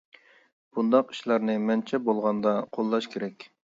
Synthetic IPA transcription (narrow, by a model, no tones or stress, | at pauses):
b̥und̪ɑqi̥ʃlˠɑɾnɨmɛnt͡ʃʰɛbolˠʁɑnd̪ɑqʰolˠːɑʃkʲʰeɾɛkʲ